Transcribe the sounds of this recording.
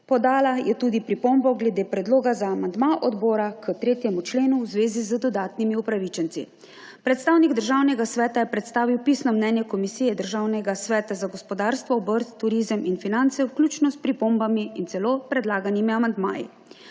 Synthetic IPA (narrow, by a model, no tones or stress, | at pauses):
pɔd̪aːlajɛt̪ud̪ipɾipombɔɡlɛd̪eːpɾɛd̪loːɡazaːmand̪maʔɔd̪bɔːɾakət̪ɾeːt̪jɛmut͡ʃleːnuwzʋeːzizəd̪ɔd̪aːt̪nimiupɾaʋiːt͡ʃɛnt̪sḭ | pɾɛt̪st̪awniɡd̪əɾʒawnɛɡasʋɛːt̪ajɛpɾɛt̪st̪aːʋiwpiːsnɔmnɛnjɛkɔmisijɛd̪əɾʒaːwnɛɡasʋɛːt̪azaɡɔspɔd̪aːɾst̪ʋɔːbəɾt̪ːuɾiːzəminfinant̪sɛwklʲuːt͡ʃnɔspɾipombamiint̪sɛloːpɾɛd̪laːɡanimiamand̪ma̰ːjḭ